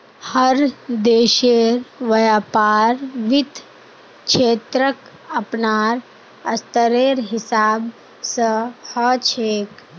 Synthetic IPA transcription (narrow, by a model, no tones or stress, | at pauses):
həɾd̪eːʃeːɾʋɐjaːpaːɾʋɪt̪ | ʃʰeːt̪ɾək | ɐpnaːɾ | ɐst̪əɾeːɾɦɪsaːb | səhət͡ʃʰeːk